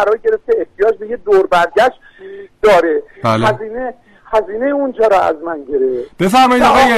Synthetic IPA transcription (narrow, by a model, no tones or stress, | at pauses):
æɾɒːɾɟe̞ɾeft̪eeht̪ʰijɒːd͡ʒbejed̪oɾbæɾɟæʃt̪ | d̪̥ɒːɾebælæziːne | hæziːne̞jeund͡ʒɒːɾɒæ̰zmænɟeɾefb̥efæɾmɒjid̪ɒeje